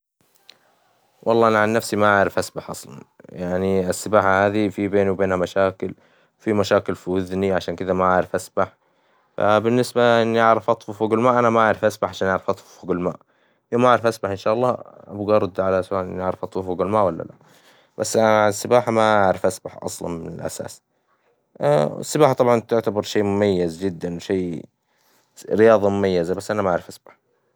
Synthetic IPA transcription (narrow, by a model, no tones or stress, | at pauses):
wʔɑlˤːɑːʔanaʕanːafsimaʔaʕɾɪfʔasbaħʔɑ̰sˤlɑ̰njaʕniɪsːɪbaːħahaːðifibeːniwbeːnhamaʃaːkɪl | wfimaʃaːkɪlfiwʊðniʕaʃaːnkɪd̪amaʕaʕɾɪfʔasbaħ | fa̰bɪnːɪsbaʔɪnːiʔaʕɾɑfʔɑt̪ˤfufoɡalmaːʔanamaʕaʕɾˤɪfʔasbaħʕaʃaːnʔaʕɾɪfʔɑt̪ˤffuɡalmaːʔ | joːmaʔaʕɾɪfʔasbaħɪnʃaːʔɑlˤːɑːʔa̰bɡɑɾˤːɑd̪ʕalaswaːlʔɪ̰nːʔaʕɾɑfʔɑt̪ˤfufuɡalmaːʔwalːa̰la̰ʔ | b̥asːʔaʕalasːɪbaːħamaaʕɾɪfʔasbaħʔɑ̰sˤlɑ̰nmɪnɪ̰lʔa̰sa̰ːs | ɪ̰sːɪbaːħt̪ˤɑbʕɑnt̪ʊʕt̪abɑɾˤʃeːmʊmajːazd͡ʒɪd̪ːanwʃeː | ɾɪjɑːðˤɑmʊmajːazabasːʔanamaaʕɾɪfʔasbaħ